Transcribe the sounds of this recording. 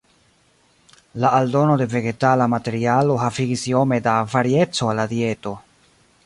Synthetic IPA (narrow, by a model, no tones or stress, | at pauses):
laːldo̞no̞de̞ve̞ɡe̞talamate̞ɾialo̞ɦafiɡisio̞me̞davaɾie̞t͡so̞alːad̪ie̞to̞